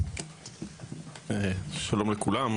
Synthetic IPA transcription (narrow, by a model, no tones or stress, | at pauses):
ʃalomlekulam